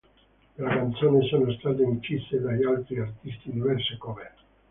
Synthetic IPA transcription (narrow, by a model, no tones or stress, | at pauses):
lakant̪soːnisonost̪aːt̪̬eint͡ʃisːed̪aʎialt̪ɾiart̪ist̪id̪ivɛrsekome